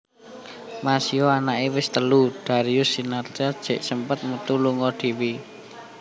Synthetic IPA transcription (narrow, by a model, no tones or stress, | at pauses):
masioanaʔewɪst̪əlud̥a̤ɾiʊsːinartad̥ʒ̥ɛ̤ʔsəmpət̪̚mut̪uluŋɔd̪̥i̤wi